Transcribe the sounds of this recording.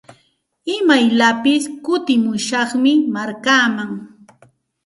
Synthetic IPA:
ɪmajlapɪskʊt̪ɪmʊjʃɑχmɪmaɾkaːmaŋ

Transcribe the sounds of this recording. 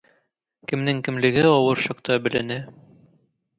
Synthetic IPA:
kɘ̆mnɘŋkɘ̆mlɘ̆ɡɘɒwɤɾʃɒqt̪ɑbɘ̆læ̆nɘ

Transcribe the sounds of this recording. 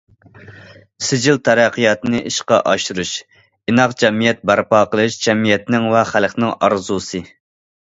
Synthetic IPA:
sɪd͡ʒilt̪ʰæɾæqʰːijɑt̪ɨnɨʔiʃqɑ̰ʔɑʃuɾuʃ | inɑqd͡ʒɛmijɛt̪̚bæɾpɑːqəlˠɨʃd͡ʒɛmijɛt̪nɪŋvɛχælχnɪŋɑ̰ɾzusɨ

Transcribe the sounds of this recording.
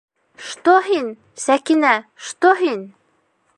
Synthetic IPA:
ʃt̪oɦin | sækinæʃt̪oɦin

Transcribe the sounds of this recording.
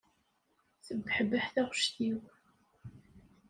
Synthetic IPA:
θəbːħəbəħθæʁəʃtiw

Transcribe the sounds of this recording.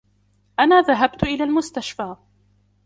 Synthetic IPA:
ʔanaːðaɦabt̪ʔɪlaːlmʊst̪aʃfaː

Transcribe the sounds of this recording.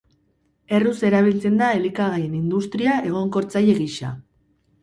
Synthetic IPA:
e̞ruse̞ɾaβ̞ilt͡se̞nd̪aelikaɣaje̞nind̪ust̪ɾiaʔe̞ɣ̞o̞ŋko̞ɾt͡saje̞ɣiʃa̰

